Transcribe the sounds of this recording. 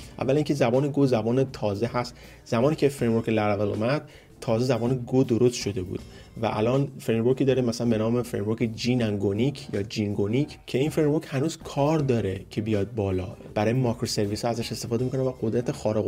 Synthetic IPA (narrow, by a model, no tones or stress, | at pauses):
ʔæ̰vːæliːŋcʰe̞zæbɒːneɡozæbɒːnet̪ʰɒːze̞ɦæst̪ | z̥æmɒːniːcʰʲefɾejmvoɾkʰʲelæɾævelṵmæd̪̥̚ | t̪ʰːɒːze̞zæbɒːneɡod̪o̞ɾo̞st̪ʃo̞d̪e̞bṵːd̪̥ | væ̰ʔælɒːnfɾejmvoɾkʰid̪ɒːɾemæsælænbe̞nɒːmefɾejmvoɾcʰʲed͡ʒiːnæŋɡonicʰjɒːd͡ʒiŋɡonicʰ | cʰe̞iːnfɾemvoɾchænuːzkʰɒːɾd̪ɒːɾe̞cʰe̞bijɒːd̪̚bɒːlɒ̰ː | b̥æɾɒːjemɒːkʰɾose̞ɾviːshɒæzæʃe̞st̪efɒːd̪emikonæmvæɡo̞d̪ɾæt̪ʰexɒːɾeɣ